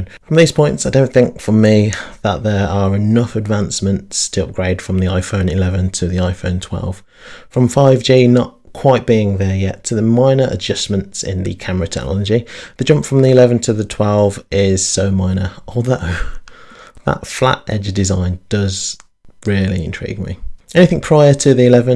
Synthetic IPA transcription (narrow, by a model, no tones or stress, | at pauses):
nfɹə̃mðiz̥pʰɔ̃ɪ̃ntsaɪdõʊ̃nθɪ̃ŋkfəmiðəʔ̪̚ðə˞əɹɪnʌfɨdvãnsmə̃ntstʰəʌ̰p̚ɡ̥ɹeɪd̥fɹə̃mðiaɪfõʊ̃nɪlɛvə̃ntʰəðiaɪfõʊ̃ntʰw̥ɛ̰lˠv̥ | fɹə̃ɱfaɪvd͡ʒinət̚kʰw̥aɪt̚b̥iɪ̃ŋðə˞jɛ̰tʰəðəmãɪ̃nə˞ʔə̰d͡ʒʌsmə̃ntsɪ̰̃nðɨ̰kʰaməɹɨtʰɛ̰k̚nʔɑ̰lˠəd͡ʒiðɨd͡ʒʌ̃mpfɹə̃mðiɪlɛvə̃ntʰəðətʰw̥ɛlˠvɪz̥soʊmãɪ̃nəʔɔlˠðoʊ | ðə̰tfla̰tɛ̰d͡ʒəvdɪzãɪ̃nd̥ʌz | ɹɪəlˠḭɪ̃ntʰɹ̥ḭɡ̚mḭɛñɪθɪ̃ŋpʰɹ̥aɪətʰɨðiɪlɛvə̃n